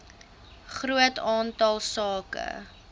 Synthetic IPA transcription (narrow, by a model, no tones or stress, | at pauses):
χɾuətɑːntɐlˠsɑːkə̰